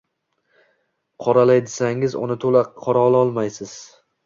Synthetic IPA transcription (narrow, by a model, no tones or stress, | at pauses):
qʰɒɾalajd̪ɪsaŋɪzʊ̰nɪt̪ʰolaqʰɒɾaɒlˠaɒlˠmajsɪz̥